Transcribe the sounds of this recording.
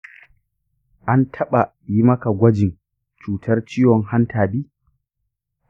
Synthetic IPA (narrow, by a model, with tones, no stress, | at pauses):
ʔa˦ntʰɐ˦ɓa˨ | ji˦mɐ˦ka˨ɡʷɐ˦d͡ʒɪ˨n | t͡ʃuː˨tʰɐ˦rt͡ʃɪː˦jɔ˨ŋha˦ntʰaː˨biː˦